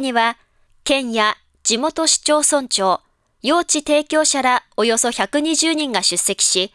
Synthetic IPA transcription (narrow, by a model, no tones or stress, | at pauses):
ɲiβa | kẽ̞ɰ̃ja | d͡ʑ̥imo̞t̪o̞ɕi̥t͡ɕo̞ːsõ̞ɲ̟t͡ɕo̞ː | jo̞ːt͡ɕit̪e̞ːkʲo̞ːɕaɾao̞jo̞so̞çakɯ̟ɲ̟iʑɨːɲ̟ĩŋɡaɕɨsːe̞kʲi̥ɕi